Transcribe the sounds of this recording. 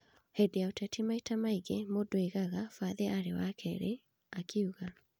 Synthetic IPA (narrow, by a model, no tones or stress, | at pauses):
hɛdeaotɛtʰimaitamaiɣemodweɣaɣafaðeaɾewakʰɛɾḛ | akʰiuɣa